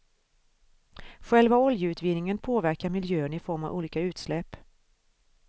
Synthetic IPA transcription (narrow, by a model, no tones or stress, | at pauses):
ɧɛlvaɔljəʉ̟ːt̪vɪnɪŋənpʰoːvæɾkaɾmɪljøːənɪfɔɾmavṵːliːkaʉ̟ːt̪slɛpː